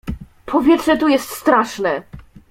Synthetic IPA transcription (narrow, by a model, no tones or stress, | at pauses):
pʰɔvʲjɛtʂɛt̪ujɛst̪st̪ɾaʂnɛ